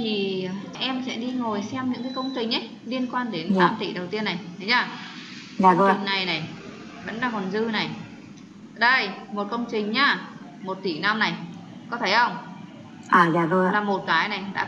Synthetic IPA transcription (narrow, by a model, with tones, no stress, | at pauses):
t̪ʰi˨˩ | ʔɛ˧msɛ̰˧˥ɗi˧ŋo˨˩jsɛ˧mɲɨ̰˧˥ŋkaː˨˦jkə˧wŋ͡mt͡ɕï˨˩ŋ̟ʔə˨˦j | li˧ənkwaː˧nɗe˨˦ntaː˨˦mt̪i˧˩ɗə˨˩wt̪i˧ənːa˨˩jt̪ʰə˨˦jzaː˧˩ | aː˧˩˧ŋna˨˩jna˨˩j | və̰˧˥nɗaː˧˩kɔ˨˩nzɨ˧na˨˩j | ɗə˧jmo˨˩t̚kə˧wŋ͡mt͡ɕï˨˩ŋ̟ɲaː˧˩ | mo˨˩t̚t̪i˧˩na˧mna˨˩jkɔ˨˦t̪ʰe˧˩xə˧wŋ͡m | ʔaː˨˩zaː˧˩to˧laː˨˩mo˨˩t̚kaː˨˦jna˨˩jɗa̰ː˧˥